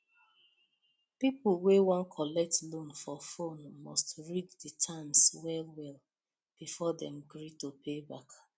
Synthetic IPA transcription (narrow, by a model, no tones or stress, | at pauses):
pipulwewɔ̃nkʰɔlɛk̚tlõnfɔfonmɔstɹid͡ʒditʰãmswɛlwɛl | b̥ifɔdɛ̃mɡɹitopʰebak